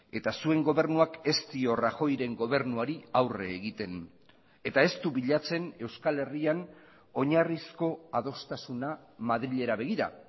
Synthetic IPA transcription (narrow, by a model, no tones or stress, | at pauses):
e̞t̪asue̞ŋɡo̞β̞e̞ɾnuake̞st̪io̞raxo̞jɾe̞ŋɡo̞β̞e̞ɾnuaɾiawre̞̰ːɣit̪e̞n | e̞t̪ae̞st̪uβiʎat͡se̞ne̞wskale̞rian | o̞ɲarisko̞að̞o̞st̪asunamaðɾiʎe̞ɾaβe̞ɣiɾa̰